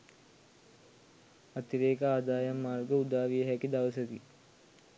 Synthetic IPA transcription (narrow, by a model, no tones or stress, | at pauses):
ɐt̪iɾeːkəaːd̪aːjɐmːaːrɡəud̪aːʋijəɦɛkid̪ɐʋəsət̪i